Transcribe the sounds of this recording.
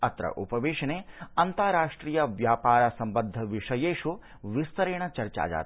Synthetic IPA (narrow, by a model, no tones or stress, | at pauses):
ɐt̪ɾɐ̰ʔupɐʋeːʂɐneːɐnt̪aːɾaːʂʈɾiːjɐʋjaːpaːɾɐsɐmbɐnd̪ʱːɐʋiʂɐjeːʂu | ʋist̪ɐɾeːɳɐt͡ʃɐɾt͡ʃa̰ːd͡ʒa̰ːt̪